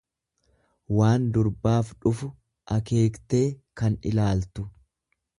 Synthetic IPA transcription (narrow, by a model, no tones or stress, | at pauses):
waːnd̪ʊɾbaːfᶑʊfʊ | ʔɐke̞ːkt̪e̞ːkɐnɪ̰laːlt̪ʊ